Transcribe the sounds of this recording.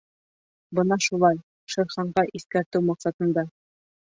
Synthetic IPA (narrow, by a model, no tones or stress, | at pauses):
bɤnɑʃulˠɑj | ʃɤ̆jχɑɴɢɑʔiθkæɾt̪ɘwmɑqsɑt̪ɤ̆nd̪ɑ